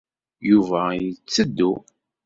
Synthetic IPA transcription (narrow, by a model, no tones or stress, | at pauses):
juvæjət͡sːəd̪ːu